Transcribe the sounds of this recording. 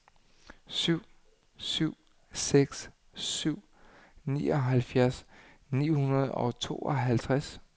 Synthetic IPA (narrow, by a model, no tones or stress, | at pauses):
syʊ̰ | syʊ̰ | seɡ̥s | syʊ̰ | nḭːɒ̽ɦælfjæɐs | nḭːhunɐð̞ˠɒ̽t͡sʰo̝̰ːɒɦælt͡sʰʁas